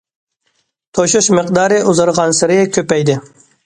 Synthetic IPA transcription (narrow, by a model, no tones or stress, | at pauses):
t̪ʰoʃuʃmɨqd̪ɑːɾɪʔuzɨɾʁɑnsɪɾɪkʲʰøpɛjd̪ɪ